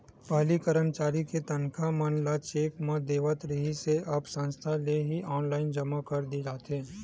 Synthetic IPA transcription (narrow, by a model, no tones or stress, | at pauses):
pɐɦlikəɾəmt͡ʃaːɾiket̪ɐnkʰamɐnlat͡ʃeːkmɐ̃d̪eːʋət̪ɾɪɦiseʔɐbsɐ̃nst̪ʰaleɦiʔɔːnlaːɪnd͡ʒɐmakɐɾd̪id͡ʒaːt̪ɦeː